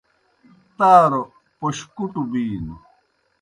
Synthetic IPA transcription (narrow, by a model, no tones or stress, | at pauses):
t̪aːɾo | poɕkuʈubiːnu